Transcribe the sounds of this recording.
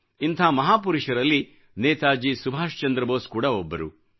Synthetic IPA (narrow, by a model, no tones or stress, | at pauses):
int̪ʰaːmɐɦaːpuɾuʂɐɾɐlːi | nɛːt̪aːd͡ʒisubʱaːʃt͡ʃɐnd̪ɾɐboːskuːɽɐɔbːɐɾṵ